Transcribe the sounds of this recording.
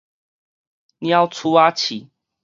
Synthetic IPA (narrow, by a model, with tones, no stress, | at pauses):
njã˦wt͡sʰu˦a˦t͡ɕʰi˨˩